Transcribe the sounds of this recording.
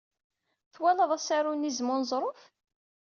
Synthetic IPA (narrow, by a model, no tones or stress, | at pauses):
θwæləðˤæsæɾunizmʊnzˤɾˤof